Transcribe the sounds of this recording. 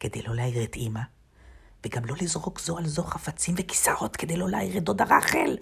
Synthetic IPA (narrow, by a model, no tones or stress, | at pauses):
ked̪ejloleaiʁet̪ima | veɡamlo̞lizʁo̞kzoalzo̞χafat͡simveki̥sao̞t̪ked̪ejlo̞laiʁed̪od̪aʁaχel